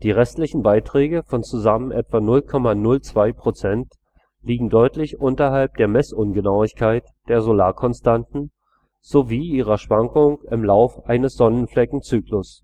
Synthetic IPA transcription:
d̥iːʁɛstlɪçn̩baɪtʁ̥ɛːɡəfɔnt͡suzamənʔɛtv̥anʊlkʰɔmanʊlt͡sv̥aɪpʁ̥ot͡sɛnt | liːɡŋ̩dɔʏtlɪçʔʊntɐɦalp̚d̥eːɐmɛsʔʊnɡənaʊɪçkʰaɪtd̥eːɐzolaːkʰɔnstantn̩ | z̥oviːʔiːʁɐʃv̥aŋkʊŋɪmlaʊfəʔaɪnəsz̥ɔnənflɛkŋ̩t͡syːklʊs

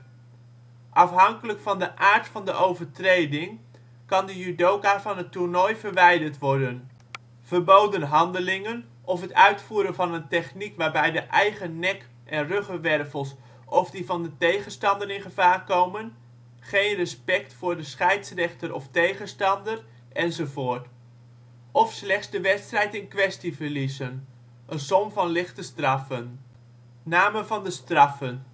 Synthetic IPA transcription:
ʔɑfɦɑŋkələkfɑndəʔaːɹtfɑndəʔowvəɹtrejdɪŋ | kɑndəjydowkavɑnətuɹnɔjvəɹʋɛjdəɹtʋɔɹdən | v̥əɹbowdənɦɑndəlɪŋən | ʔɔfɦətœɥtfuːɾənvɑnəntɛχnikʋaːɹbɛjdəʔɛjχənɛk | ʔɛnrøχəʋɛrfəlˠs | ʔɔfdivɑndətejχənstɑndənɪnχəv̥aːrkowmən | χejnrəspɛktfʊːɹdəsχɛjtsrɛχtəɾʔɔftejχənstɑndər | ʔɛnzovoːrt | ʔɔfslɛχsdəʋɛtstrɛjtɪnkʋɛstivəɹlizən | ʔənsɔmvɑnlɪχtəstrɑfənː | aːməvɑndəstrɑfən

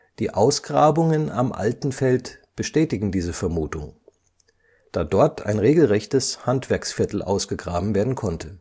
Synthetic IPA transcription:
d̥iːʔaʊsɡ̥ʁaːbʊŋəna̰mʔa̰ltn̩fɛltb̥əʃtɛːtɪɡŋ̩diːzəfɛɐmuːtʊŋ | d̥aːdɔɐtʰa̰ɪnʁeːɡl̩ʁɛçtəshantv̥ɛɐksfɪɐtl̩ʔa̰ʊsɡ̥əɡʁaːbm̩veːɐdn̩kʰɔntʰə

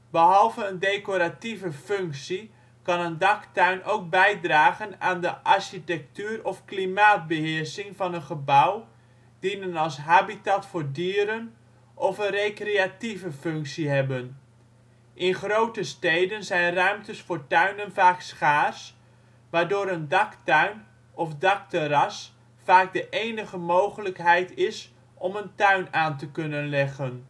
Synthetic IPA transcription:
bəɦɑlˠvəəndeːkoɾativəfʏŋksi | kɑnəndɑktœɥnʔowk̚bɛjdraːɣənaːndəʔaɹɕitɛk̚tyːrɔfklimaːt̚bəɦɪərsɪŋvɑnənχəbaw | d̥inənɑlˠsɦaːbitatfoːɹdiːəɾən | ʔɔfənrekreativəfɵŋksiɦɛbən | ʔɪnχrowtəstejdənzɛjnrœɥmtəsfʊːɹtœɥnənvaːksχaːs | ʋaːɹdʊːɾəndɑktœɥn | ɔfdɑk̚təɾɑs | faːk̚dəʔejnəχəmowχələkɦɛjtɪs | ʔɔməntœɥnaːntəkɵnənlɛχən

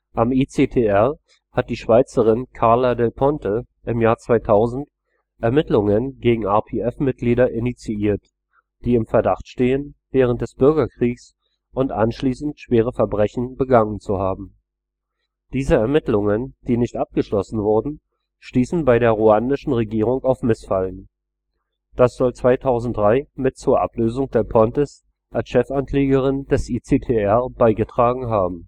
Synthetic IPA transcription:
ʔamit͡seːtʰeːɛɐ | hat̚d̥iːʃv̥aɪt͡səʁ̞ɪnkʰaɐladɛlpʰɔntʰə | ʔɪmjaːɐt͡sv̥aɪtʰaʊzn̩t | ʔɛɐmɪtlʊŋənɡeːɡŋ̩aːpʰeːɛfmɪt̚ɡ̥liːɾɐʔɪnit͡siiːɐt | d̥iːɪmfɛɐdaχtʃteːənvɛːʁ̞ənt̚d̥ɛsb̥ʏɐɡɐkʁ̥iːks | ʔʊntʔa̰nʃliːsn̩tʃv̥eːʁ̞əfɛɐbʁɛçn̩bəɡaŋənt͡suhaːbm̩ | d̥iːzəɛɐmɪtlʊŋənd̥iːnɪçtʔap̚ɡ̥əʃlɔsn̩vʊɐdn̩ | ʃtiːsn̩baɪɾeːɐʁuandɪʃn̩ʁeɡiːʁ̞ʊŋaʊfmɪsfalən | d̥asz̥ɔlt͡sv̥aɪtʰaʊzn̩t̚d̥ʁaɪmɪtt͡suːɐʔa̰pløːzʊŋd̥eːɐpʰɔntəs | ʔalsʃɛfankl̥eːɡəʁɪnd̥ɛsʔit͡seːtʰeɛɐb̥aɪɡətʁ̥aːɡŋ̩ɦaːbm̩

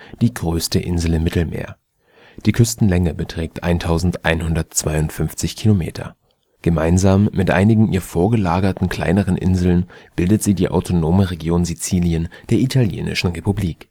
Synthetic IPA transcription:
d̥iːɡʁøːstəʔɪnzl̩ɪmːɪtl̩mḛːɐ | d̥iːkʰʏstn̩lɛŋəbətʁ̥ɛːk̚tʔa̰ɪntʰaʊzn̩tʔa̰ɪnhʊndɐtt͡sv̥aɪʊntfʏnft͡sɪçkʰilomḛːtʰɐ̰ | ɡ̥əmaɪnzaːmːɪtʔa̰ɪnɪɡŋ̩ʔiːɐfoːɐɡəlaːɡɐtn̩kl̥a̰ɪnəʁ̞ənʔɪ̰nzl̩nb̥ɪldətz̥iːdiːʔa̰ʊtʰonoːməʁeɡjoːnzit͡siːljənd̥eːɐʔitʰaljḛːnɪ̰ʃn̩ʁepubliːk

